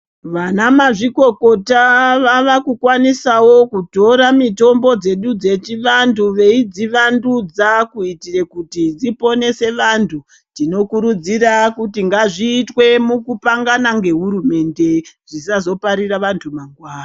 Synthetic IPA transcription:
ʋanamaʐiko̞ko̞taʋaʋakukwanisawo̞kuto̞ɾamito̞mbo̞d͡ze̞ɗud͡ze̞t͡ʃiʋantʰuʋe̞id͡ziʋandud͡zakuitirekutid͡zipo̞ne̞se̞ʋantʰu | d͡zino̞kuɾud͡zirakutiŋɡaʐiːtwe̞mukupaŋɡanaŋɡe̞ɦuɾume̞nde̞ʐ̥is̬azo̞paɾiraʋantʰumaŋɡwaːna

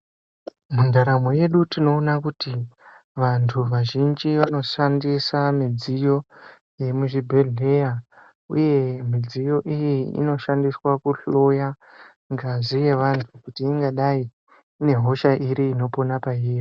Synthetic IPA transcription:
mundaɾamo̞je̞ɗutino̞ːnakuti | ʋantʰuʋaʒind͡ʒiʋano̞ʃandisamid͡zijo̞ | je̞muʐibʱeɮeja | ṵje̞mid͡zijo̞ʔijiḭno̞ʃandiswakuɬo̞ja | ŋɡaʐije̞ʋantʰukutiːŋɡaɗaiː | ne̞ɦo̞ʃaʔiɾiːno̞po̞napaiːjo

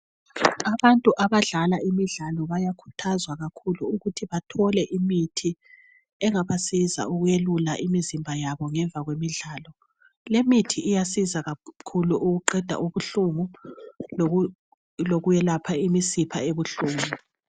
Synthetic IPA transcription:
aβantʼuʔaβaɮalaimiɮalɔβajakʰu̥tʰazwaɣakʰuluuɣutʰiβatʰɔlɛʔimitʰi | ɛŋaβasiza̰uɣujelulaʔimizimbʱajaβɔŋɛɱvʱaɣwemiɮaːlɔ | lemitʰiʔːjasizaɣakʰuluʔuɣuǃɛd̥ʱa̰ʔuβuɬumu | loɣujɛlapʰaimisipʰa̰eβuɬuːmu

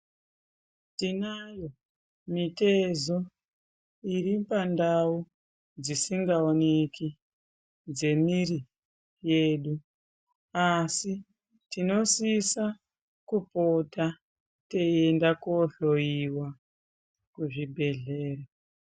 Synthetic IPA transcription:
tinajo̞ | mite̞zo | iɾipandau | d͡zisiŋɡaone̞ki | d͡ze̞miri | je̞ːɗu | asi | tino̞sisa | kupota | te̞endakoɬo̞jiwa | kuʐibʱe̞ɮe̞ːra

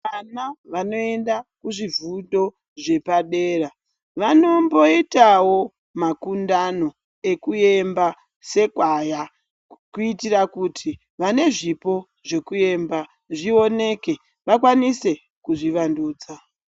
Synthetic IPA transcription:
ʋanaʋano̞e̞ndakuʐivudo̞ | ʐe̞paɗe̞ːra | ʋano̞mbo̞itawo̞ | makundano̞ | e̞kuje̞mba | se̞kwaja | kuitirakutʰi | ʋane̞ʐipo̞ | ʐe̞kue̞mba | ʐio̞ne̞ke̞ | ʋakwanise̞ | kuʐiʋanduːd͡za

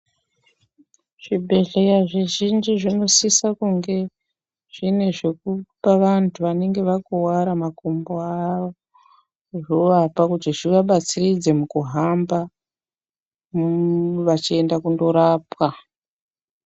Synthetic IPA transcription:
ʐ̥ibʱe̞ɮe̞jaʐeʒind͡ʒiʐino̞sisakuŋɡe̞ | ʐ̥ine̞ʐe̞k̚upaʋantʰuʋane̞ŋɡe̞ʋakuwaɾamakomboaʋo | ʐoʋapakutiʐiʋaɓat͡sirid͡ze̞mukuɦamba | mʋat͡ʃie̞ndakundo̞ɾaːpwa

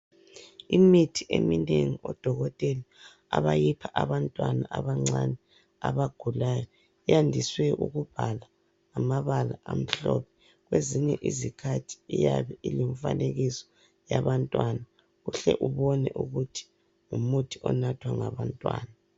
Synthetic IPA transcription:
imitʰiʔemineŋiɔd̥ʱɔɣɔtʼɛli | a̰βajipʰaʔaβantʼwanaʔaβaŋ͡ǀanɛ | aβaɡ̥ʱulajɔ | ijandʱiswɛʔuɣub̥ʱalaː | maβalaʔam̩ɬɔ̰pʰɛ̥ | ɣweziɲɛʔizikʰatʰi̥ijaβɛʔiliɱfa̰neɣisɔ̥ | jaβantʼwana | uɬɛ̰ʔuβɔnɛ̰ʔuɣutʰi̥ | ŋumutʰiɔnatʰwaŋa̰βantʼwa̰ːna

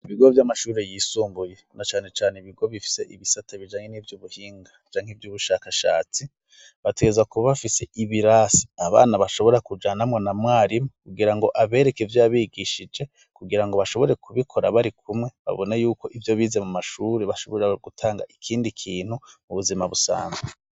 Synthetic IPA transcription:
iβiɡo̞vjamaʃuːɾe̞jiːsuːmbuje̞nat͡ʃaːne̞t͡ʃaːneiβiɡo̞βifi̥se̞ʔiβisataβid͡ʒaːɲe̞niːvjuːβuhiːŋɡat͡ʃaːŋhivjuːβuʃakaʃa̰ːt͡si | βateɡezakuββafise̞iβiɾasi̥aβa̰ːnaβaʃo̞βo̞ɾakud͡ʒaːnamŋonamwaːɾimokuɡiɾaŋɡo̞ʔaβe̞ːɾe̞kevjojaβiːɡiʃid͡ʒe̞ | kuɡiɾaŋɡo̞βaʃo̞βo̞ɾe̞kuβikʰo̞ɾa̰βaɾikʰumŋe̞βa̰βo̞najuːko̞ʔivjo̞βiːzemumaʃuɾeβaʃo̞βoɾeaɡ̥utʰaːŋɡa̰ʔikʰiːndikʰiːnhumuβuzimaβusa̰ːnze

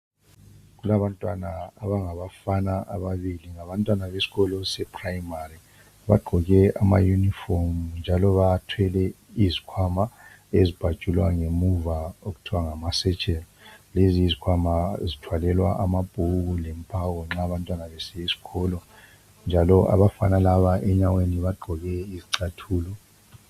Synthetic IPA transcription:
ɣulaβantʼwanaːβaŋaβafanaʔaβaβiliŋaβantʼwanaβesi̥ɣɔlɔsɛpʰʼrajimari | βa̰ɡ͡ǃʱɔɣɛama̰junifɔmnd͡ʒʱalɔβatʰwɛlɛ | izikʰwama | ezib̥ʱḁt͡ʃʼulwaŋemuvaoɣutʰiwaŋamasɛ̥t͡ʃʼɛlɔleziizikʰwamazitʰwalɛlwa̰ʔamab̥ʱuɣulɛmpʼawɔŋ͡ǁaβantʼwanaβɛsɛjesi̥ɣɔlɔ | nd͡ʒʱalɔʔa̰βafanalaβaʔɛɲaweniβaɡ͡ǃʱɔɣɛiziǀatʰuːlɔ

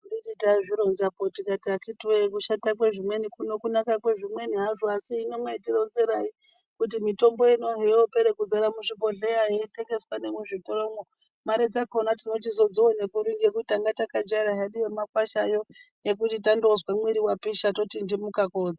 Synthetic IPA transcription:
ndititaʐiɾonzapotikatiakitwekuʃatak̬we̞ʐimwe̞nikuno̞kunakakwe̞ʐimwe̞niɦaʐoasiːnomweitiɾo̞nzeɾai | kutimito̞mbo̞ino̞ɦeopeɾekud͡zaɾamuʐipo̞ɮejaeite̞ŋɡe̞swanemuʐitoɾomo | maɾed͡zakonatino̞t͡ʃizo̞d͡ziwone̞kuɾiŋɡek̬utitaŋɡatakad͡ʒaɾaɦaɗijemakwaʃajo̞ | je̞k̬utit̬andozwamweɾiwapiʃato̞tindimukakoːd͡za

